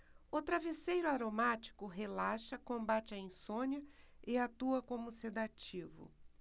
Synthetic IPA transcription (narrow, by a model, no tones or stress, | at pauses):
ʊt̪ɾavesejɾʊaɾomat͡ʃi̥kʊɦelaʃɐkõmbat͡ʃɪɐĩsõnjɐɪat̪uɐkõmʊsed̪at͡ʃivʊ̰